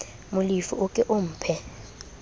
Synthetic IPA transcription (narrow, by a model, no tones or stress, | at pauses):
mʊlifṵʔʊkʼɛʔʊm̩ːpʰɛ